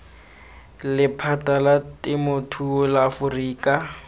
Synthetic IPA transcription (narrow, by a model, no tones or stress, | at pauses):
lɪpʰatʼalatʼɪmʊtʰuʊlaːfʊriːkʼa